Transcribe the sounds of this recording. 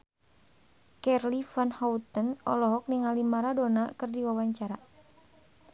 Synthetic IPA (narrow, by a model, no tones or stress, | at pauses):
kɛrlifanhaut̪ənɔ̰lɔɦɔk̚niŋalimaɾadonakɨrdiwawaɲt͡ʃaɾa